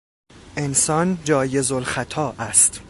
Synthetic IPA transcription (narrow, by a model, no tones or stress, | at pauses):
ʔe̞nsɒnd͡ʒɒːje̞zolxæt̪ʰɒːʔæst̪